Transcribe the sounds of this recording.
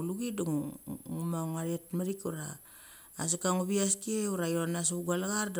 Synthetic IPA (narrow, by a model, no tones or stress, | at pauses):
uluɡiduŋŋumaŋaɾetmaɾikuɾa̰ː | sakaŋuβiastieuɾajonas̬uɡalaɡaɾd